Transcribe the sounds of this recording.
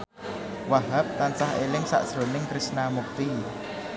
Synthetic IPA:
waɦap̚t̪ansaɦelɪŋsa̰ʔsɾonɪŋkɾɪsnamuk̚t̪i

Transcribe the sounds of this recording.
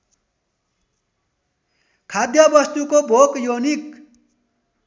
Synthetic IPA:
kʰad̪jʌbʌst̪ukobʱokjonik

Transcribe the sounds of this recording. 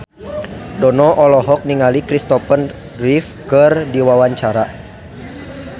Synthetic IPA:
dɔnɔʔɔlɔɦɔk̚niŋalikɾist̪ɔpən | rifkɨrdiwawaɲt͡ʃaɾa

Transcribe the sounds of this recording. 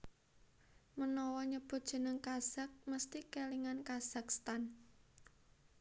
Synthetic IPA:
mənɔwɔɲəb̥ʊ̤t̪̚dʒ̥ə̤nəŋkaz̥a̤k̚məst̪ikeliŋankaz̥a̤kst̪an

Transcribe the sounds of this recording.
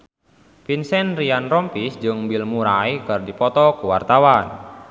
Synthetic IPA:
pinsɛnrianrɔmpisd͡ʒɨŋbilmuɾajkɨrdipɔt̪ɔkuwart̪awan

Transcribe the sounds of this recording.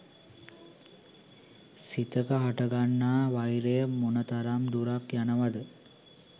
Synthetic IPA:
sit̪əkəɦaʈəɡanːaːʋajɾejəmonət̪aɾamd̪uɾakjanəʋad̪ə

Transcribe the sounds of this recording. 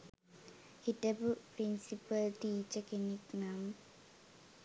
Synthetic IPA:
hitəbupɾinsipəldit͡ʃɛkeniknam

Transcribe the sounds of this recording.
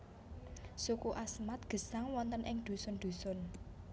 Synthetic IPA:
sukuʔasmat̪̚ɡ̥ə̤saŋwɔnt̪ənʔɪŋd̪̥ṳsʊnɖ̪̥ṳsʊn

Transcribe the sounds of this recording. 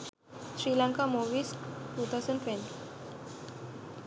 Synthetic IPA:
ɕɾilãŋkamoʋiːsʈuːt̪ʰawsə̃ɳɖʈʋɛ̃nʈ

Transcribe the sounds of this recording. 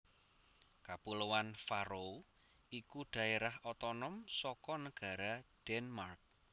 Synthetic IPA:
kapulowanfaɾo | ikuɖ̥a̤eɾahɔt̪ɔnɔmsɔkɔnəɡ̥a̤ɾaɖ̥ɛnmark̚

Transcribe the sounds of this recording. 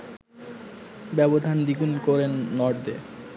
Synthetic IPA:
bɛbod̪ʱand̪iɡunkoɾenːɔɖd̪e

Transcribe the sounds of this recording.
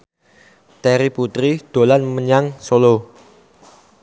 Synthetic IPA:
t̪ɛɾiput̪ɾid̪̥o̤lanməɲaŋsolo

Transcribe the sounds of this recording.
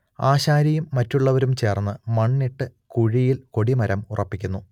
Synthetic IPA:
aːɕaːɾɐjumːɐtːuɭːɐʋɐɾumt͡ɕe̞ːrnːɨmɐɳːiʈːɨkuɻijilko̞ɽimɐɾɐmurʔɐpːikʲːunːu

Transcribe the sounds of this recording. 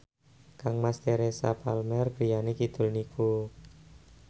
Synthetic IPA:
kaŋmast̪eɾesa̰palmɛrɡ̥ɾijanikid̪̥ʊ̤lniku

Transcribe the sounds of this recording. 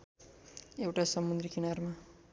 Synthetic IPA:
ewʈasʌmːund̪ɾikinʌrma

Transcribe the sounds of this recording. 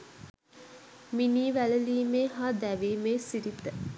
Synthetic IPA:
miniːʋæləliːmeːɦaːd̪æʋiːmeːsiɾit̪ə

